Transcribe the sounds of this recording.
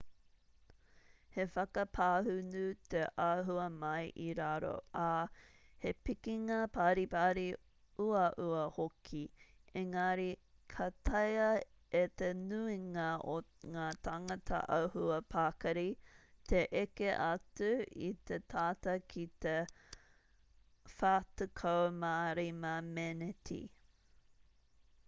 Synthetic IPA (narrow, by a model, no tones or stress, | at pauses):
hefɐkɐpʰaːhʉnʉt̪eʔaɦuɐmɐjʔiɾaɾo̰ʔa | hepikiŋɐpʰaːɾipaːɾi | uɐʔuɐhokʰieŋɐɾi | kʰɐt̪ʰɐjɐ | et̪enuiŋɐoŋaːtʰɐŋɐtʰɐ̰ʔɐwhuɐpʰakɐɾit̪ʰeʔekeʔɐt͡suḭt̪etʰaːtɐkʰit̪e | faːtukʰowmaːɾimɐmɛnetʰḭ